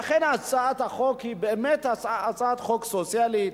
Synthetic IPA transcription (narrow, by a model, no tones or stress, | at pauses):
aχenat͡saat̪haχokhibeːmet̪at͡saat͡saat̪χoksot͡sjalit̪